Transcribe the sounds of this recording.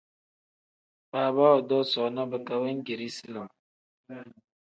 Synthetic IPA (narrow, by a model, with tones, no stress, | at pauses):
baː˨ba˦ɔ˨dɔ˦sɔ˨˦na˦bɛ˨ka˦wɛ˦ŋ̩˦ɡe˨ɾi˦si˦lɔ˨m